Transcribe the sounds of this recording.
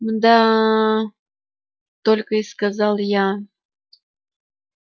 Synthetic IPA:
d̪a | t̪olʲkəɪskɐzɑlˠja

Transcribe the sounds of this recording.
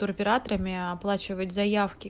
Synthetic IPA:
ʊɾɐpʲɪɾat̪əɾəmʲɪɐplˠat͡ɕɪvətʲzɐjafkʲɪ

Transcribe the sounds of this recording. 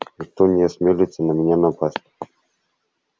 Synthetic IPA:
nʲɪkt̪onʲɪɐsʲmʲelʲɪt̪sʲənɐmʲɪnʲanɐpasʲtʲ

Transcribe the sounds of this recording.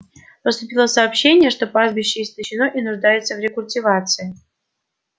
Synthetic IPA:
pəst̪ʊpʲilˠəsɐːpɕːenʲɪjəʂt̪opazbʲɪɕːɪːst̪əɕːɪnoʔinʊʐd̪ajʊt̪səvɾʲɪkʊlʲtʲivat̪sɨjɪ

